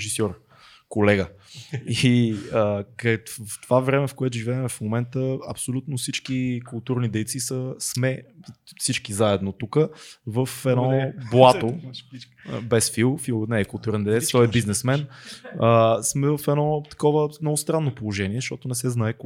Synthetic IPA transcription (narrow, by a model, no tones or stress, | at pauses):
ʒisɔɾ | kolɛɡə | iək̪ft̪ovavɾɛmɛfkoɛt̪ʊʒivɛɛmɛfmomɛnt̪əɐpsolʲut̪nofsit͡ʃkikʊlˠt̪uɾnid̪ɛjt̪sisəsmɛfsit͡ʃkizaɛd̪not̪ukəvəfɛnɔblˠat̪o̰ | bɛsfilˠfilˠnɛkʊlˠt̪uɾnid̪ɛjt̪sit̪ɔɛbiznɛsmɛnəsmɛvəfɛnɔt̪ɐ̥kɔvəmnɔɡʊst̪ɾanːopolˠoʒɛniɛzəʃt̪ɔt̪ʊnɛsɛznaɛk